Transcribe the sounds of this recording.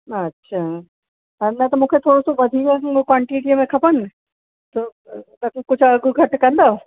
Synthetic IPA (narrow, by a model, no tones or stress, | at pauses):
ɐtːɕʰaː | ɐɾnɐt̪ɐmũːkʰet̪ʰoːɽosoʋɐd̪ʱiːkkwãːɳʈiːʈiəmẽkʰɐpənɪ̆ | t̪o | t̪ɐkʊd͡ʑʱɐɡʱʊɡʱɐʈkɐ̃nd̪oː